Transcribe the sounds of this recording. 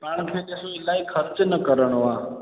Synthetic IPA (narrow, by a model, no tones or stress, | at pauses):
paːɳ̃kʰeːd̪esõɪlaikʰəɾt͡ʃnəkəɾəɳ̃oaː